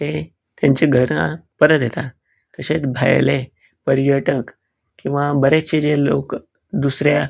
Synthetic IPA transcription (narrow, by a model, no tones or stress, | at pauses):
t̪e | t̪jaɲt͡ɕeɡʱəɾa̰pəɾət̪jet̪a | k̪əɕet͡sbʱa̰jle | pəɾjəʈək | kĩw̃ʋabəɾet͡ɕed͡ʑelo̰k | d̪usɾja